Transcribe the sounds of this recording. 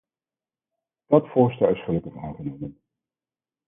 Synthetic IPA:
d̥ɑtfʊːɹstɛlɪsχələkəvaːχənomən

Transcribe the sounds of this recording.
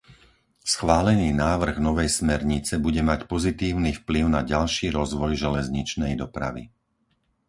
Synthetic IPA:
sxʋaːlɛniːnaːʋr̩ɣnɔʋɛjsmɛɾɲit͡sɛbuɟɛmacpɔzit̪iːʊnifpliʊnaɟalʃiːɾɔzʋɔjʒɛlɛzɲit͡ʃnɛjd̪ɔpɾa̰ʋḭ

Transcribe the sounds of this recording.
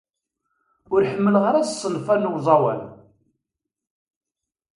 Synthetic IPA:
ʊɾħəmːəlʁəɾæzsˤːənfænʊwzˤɑwæ̰l

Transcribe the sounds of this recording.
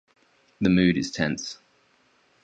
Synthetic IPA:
ðəmʉːɾɪz̥tʰɛ̃ns

